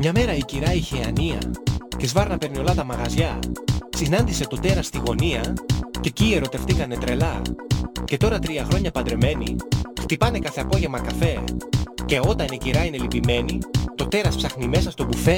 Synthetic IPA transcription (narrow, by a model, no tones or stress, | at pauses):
mɲɐme̞ɾɐiciɾɐiçeɐniɐ̰ce̞zvɐɾnɐpeɾnio̞lɐt̪ɐmɐɣɐzʝɐsinɐnd̪ise̞t̪o̞t̪e̞ɾɐst̪iɣo̞niɐce̞cie̞ɾo̞t̪e̞ft̪ikɐne̞t̪ɾe̞lɐ | ce̞t̪o̞ɾɐt̪ɾiɐxɾo̞ɲɐpɐnd̪ɾe̞me̞nḭxt̪ipɐne̞kɐθe̞ɐpo̞ʝe̞mɐkɐfe̞ce̞o̞t̪ɐniciɾɐine̞lipime̞nit̪o̞t̪e̞ɾɐspsɐxnime̞sɐst̪o̞bufe̞